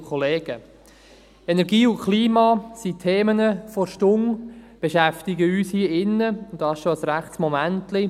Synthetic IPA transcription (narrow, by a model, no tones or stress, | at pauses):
kʰɔleːɡ̥ə | enɛɾɡiːʊnkʰliːmɑːsitʰeːmənəfɔɾʃtʊŋb̥eʃæftɪɡəyːshiːəɪnːəʊndɑːsʃoəsɾæχtsmɔmæntlɪ